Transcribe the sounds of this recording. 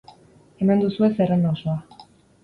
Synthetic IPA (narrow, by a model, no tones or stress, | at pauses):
e̞mand̪usue̞serenaosoa